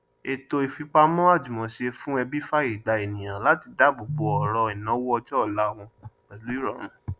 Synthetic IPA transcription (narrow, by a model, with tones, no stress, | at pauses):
e˧to˧i˧fi˧˦k͡pa˦mɔ̃˦a˦˨d͡ʒu˨mɔ̃˨ʃe˧fũ˦ɛ˧bi˦fa˦e˨da˧˨e˨nĩ˨j̃ã˨la˨˦ti˧da˨˦bo˨bɔ˧ɔ˨ɾɔ˧i˨nã˨˦wɔ˦ɔ˧d͡ʒɔ˦ɔ˦˨la˨˦˨w̃ɔ̃˧k͡pɛ˨lu˨˦i˦ɾɔ˨ɾ̃ũ˨